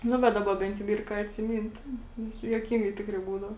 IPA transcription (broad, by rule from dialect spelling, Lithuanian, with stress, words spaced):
ˈnʊ bʲɛt ˈdɑːbɐ ˈbʲɛnt jɛʊ ˈiːr kɑː ɐtʲsʲɪˈmʲiːnt ˈnʲɛs juɔˈkʲɪŋɡɐɪ ˈtʲɪkrɐɪ ˈbuːdɐʋoː